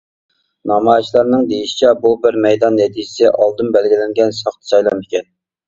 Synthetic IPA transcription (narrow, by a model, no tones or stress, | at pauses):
nɑmɑjt͡ʃʰlˠɑɾnɨŋd̪ejiʃi̥t͡ʃʰɛbubɪɾmɛjd̪ɑnːɛt̪ʰid͡ʒɪsɪʔɑlˠd̪ɨnbɛlɡʲilɪŋɡʲɛnsɑχt̪ʰə̥sɑjlˠɑnɪkʲɛn